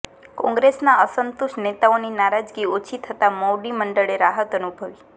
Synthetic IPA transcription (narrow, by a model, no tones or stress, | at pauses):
kɔ̃ŋɡɾesnaəsənt̪uʃʈnet̪aoninaɾad͡ʒɡiot͡ʃʰit̪ʰət̪amoɖiməɳɖəɭeɾaɦət̪ənubʱəʋi